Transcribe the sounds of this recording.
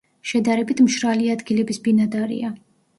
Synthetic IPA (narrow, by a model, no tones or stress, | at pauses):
ʃɛd̪aɾɛbit̪ʰmʃɾaliad̪ɡilɛbisbinad̪aɾḭa